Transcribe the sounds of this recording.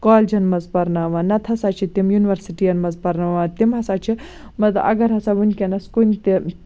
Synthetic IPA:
kɔːlʲd͡ʒɐnmɐzpɐɾnaʋanɐt̪ʰɐsat͡ʃʰit̪imjuniʋɐɾsiʈijɐnmɐzpɐɾnaʋat̪imɦɐsat͡ʃʰi | mɐt̪ʔɐ̰ɡɐɾɦɐsaʋunʲkʲenɐskunʲt̪i

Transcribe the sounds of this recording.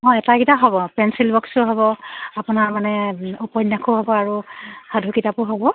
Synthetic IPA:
ɔ̃ɛtaɡitaɦɔbɔpɛnsilbɔksʊɦɔbɔapʊnaɹmanɛupɔnːakʰuɦɔbɔaɹuhadʱukitapʊɦɔbɔ

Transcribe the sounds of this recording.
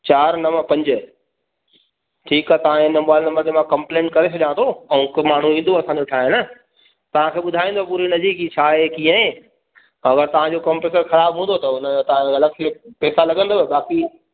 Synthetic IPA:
t͡ɕaːɾnɐməpɐ̃ɲd͡ʑ | ʈʰiːkat̪ɐʋ̤ãɪnəmaːlnɐməɾd͡ʑ̪emãkɐ̃mplẽːɳʈ̚kɐɾes̬ɐʄãːnd̪ʰoɛ̃kmaːɳ̤ũɦĩnd̪oɐsã̆ːd͡ʑoʈʰaːɦenə | t̪ɐʋ̤ãkʰeːɓʊd̪ʱaːĩːn̆d̪opuɾinɐzikit͡ɕʰaːɦekiːə̃ẽ | ɐɡəɾt̪ɐʋ̤ãd͡ʑokɐmpeːʈəɾxɐɾaːbɦũːnd̪ot̪ɐʊnət̪ɐãɐləɡ̚t̪ʰːpɛːsalɐɡə̃nd̪oeɓaːki

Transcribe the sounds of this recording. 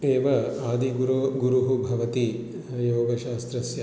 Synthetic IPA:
eːʋɐaːd̪iɡuɾoɡuɾuɦubʱɐʋɐt̪i | joːɡɐʃaːst̪ɾɐsjɐ

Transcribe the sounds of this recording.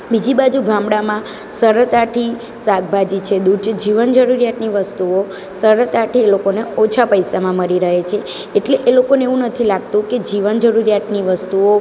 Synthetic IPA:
bid͡ʒibad͡ʒuɡamɽamã | səɾət̪aʈʰi | saɡ̚bʱad͡ʒit͡ʃʰed̪ud͡ʒd͡ʒiʋənd͡ʒəɾuɾijat̪niʋəst̪uo | səɾət̪aʈʰielokoneot͡ʃʰapəjsamãməɾiɾəɦet͡ʃʰeː | ʈleʔelokoneeʋũnət̪ʰilaɡ̚t̪ũked͡ʒiʋənd͡ʒəɾuɾjat̪niʋəst̪uo

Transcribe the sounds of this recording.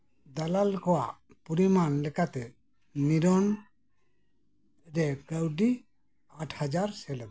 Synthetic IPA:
d̪alalkɔwaʔ | puɾimanlɛkat̪ɛ | niɾɔn | d͡ʒɛkəwɖi | aʈʰhad͡ʒaɾsɛl

